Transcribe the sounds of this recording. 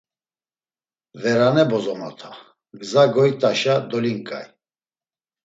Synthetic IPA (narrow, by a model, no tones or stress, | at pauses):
vɛɾanɛbɔzɔnɔ̰t̪ʰa | ɡzaɡɔjt̪ʼaʃad̪ɔliŋkʼa̰j